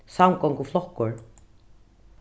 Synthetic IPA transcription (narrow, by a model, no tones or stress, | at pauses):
sawmkɔŋkuflɔkːʊɹ